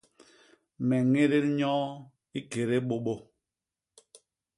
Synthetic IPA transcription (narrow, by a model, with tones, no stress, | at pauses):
mɛ˨ŋe˦ɾe˦lɲɔ˦ | i˦ke˨ɾe˦ɓo˦ɓo˦